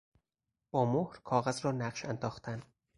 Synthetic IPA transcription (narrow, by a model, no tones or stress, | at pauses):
ɒːmohɾkʰɒːɣæzɾɒːnæɢʃænd̪ɒːxt̪ʰæn